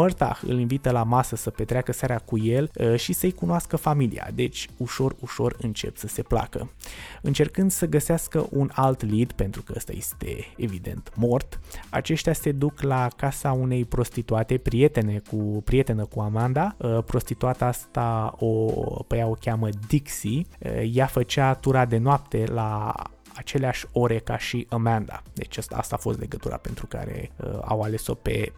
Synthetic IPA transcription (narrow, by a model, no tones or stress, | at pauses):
mərt̪a̰xɨ̰linvit̪əlamasəsəpet̪ɾeakəsaɾakuje̞lʃisəjkunoaskəfamilḭa̰d̪e̞t͡ʃʲuʃo̞ruʃo̞rɨnt͡ʃepsəse̞pla̰kə̰ɨnt͡ʃe̞rkɨnd̪səɡəseaskəʔunalt̪lid̪pe̞nt̪ɾukəəst̪a̰je̞st̪e̞̰evid̪e̞̰nt̪mo̞rt̪a̰t͡ʃe̞ʃt̪ʲase̞d̪uklakasaune̞jpɾo̞st̪it̪uat̪e̞pɾije̞t̪e̞ne̞kupɾie̞t̪e̞nəkuamand̪apɾo̞st̪it̪uat̪əast̪aopəjao̞kʲaməd̪iksiə̰jafət͡ʃat̪uɾad̪e̞noap̚t̪e̞la̰ː | t͡ʃe̞leaʃʲo̞ɾe̞kaʃiʔəmand̪a̰d̪e̞t͡ʃʲəst̪aa̰st̪a̰fo̞st̪le̞ɡət̪uɾa̰pe̞nt̪ɾuka̰ɾḛə̰a̰wale̞so̞̰pe̞̰